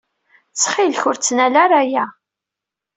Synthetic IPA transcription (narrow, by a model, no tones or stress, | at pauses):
t͡sːχilçʊɾt͡sːnælaɾajæ